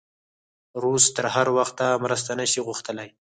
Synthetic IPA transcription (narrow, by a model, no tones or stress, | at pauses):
ɾust̪əɾhaɾwaxt̪amɾəs̬t̪anəʃiɣʊxt̪əlaj